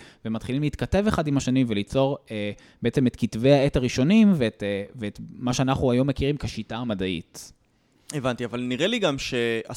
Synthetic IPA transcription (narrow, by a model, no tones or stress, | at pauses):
vemat̪χilimleiːt̪kate̞ve̞χadimaʃanimvelit͡so̞ʁe | beet͡semet̪kitve̞jhaetaʁiʃo̞nimvetveːtmaʃeanaχuajo̞mːe̞kiʁimkeʃitaːmadaḭt | evantiavalniʁeliɡamʃea